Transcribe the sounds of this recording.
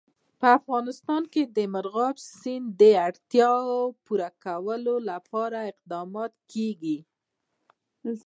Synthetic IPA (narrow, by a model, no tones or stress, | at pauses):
pəafɣɑnɪst̪ɑnked̪əmaɾɣɑbsind̪əaɽt̪jɑwpuɾakawəlolapɑɾaɪq̚d̪ɑmɑt̪keɡi